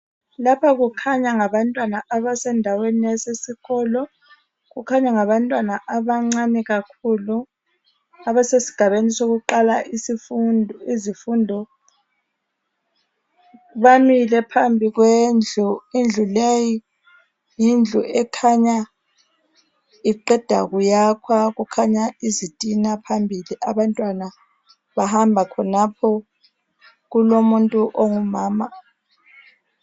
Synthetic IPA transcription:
lapʰaɣukʰaɲaŋaβantʼwanaaβasɛndʱaweniasesiɣɔlɔ | ɣukʰaɲaŋaβantʼwanaʔaβaŋ͡ǀanɛɣakʰulu | aβasesi̥ɡ̥ʱaβenisoɣuǃalaʔisinizifundʱɔ | βamilɛpʰambʱiɣwend͡ɮʱuind͡ɮʱuleji | jind͡ɮʱuɛkʰaɲa | iǃɛd̥ʱaɣujakʰwaɣukʰaɲaizitʼinapʰambʱiliʔaβantʼwana | βahambʱakʰɔnapʰɔ | ɣulomuntʼuʔoŋumaːma

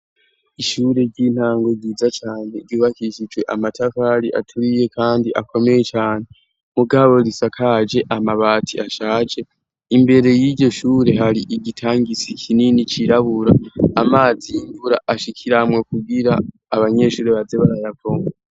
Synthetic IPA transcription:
iʃuːɾe̞ɟin̥haːŋɡo̞ɟiːzat͡ʃaːn̥he̞ɾɟuːβahiʃid͡ʒwe̞ʔamatʰafaɾiʔa̰tʰuɾije̞kʰaːndiʔakʰo̞me̞je̞t͡ʃaːn̥e | muɡaβo̞ɾisakʰaːd͡ʒe̞ʔamaβaːtʰiʔaʃaːd͡ʒe̞ | imbe̞ɾe̞jiɟo̞ʃuːɾe̞ɦaɾiʔiɡitʰaːŋɡisikʰininit͡ʃiɾaβuɾaːmaːziiɱvuɾaʔaʃikʰiɾamwokuɡiɾaː | βaɲe̞ʃuːɾeβazeβaɾajavoŋɡo

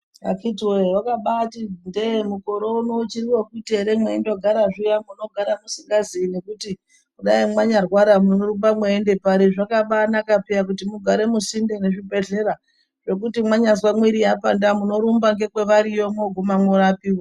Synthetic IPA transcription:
a̰kitwewakaɓatindemukoɾounout͡ʃiɾiwokute̞ɾemweindo̞ɡʱaɾaʐijamuno̞ɡʱaɾamusiŋɡazine̞kuti | kuɗaimwaɲarwaɾamunoɾumbamweːnde̞paɾiʐakaɓanakapiakutimuɡʱaɾe̞musindene̞ʐibʱe̞ɮe̞ɾa | ʐ̥e̞k̬utimwaɲazwamwiɾijapandamuno̞ɾumbaŋɡe̞kwe̞ʋaɾijomoɡʱumamwuɾapiːwo

